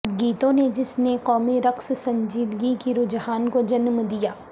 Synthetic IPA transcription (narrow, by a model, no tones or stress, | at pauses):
ɡiːt̪õned͡ʒɪsnekɔːmiɾɐkssɐ̃ɲd͡ʒiːd̪ɡikiɾʊd͡ʒɦaːnkod͡ʒɐnmd̪ijaː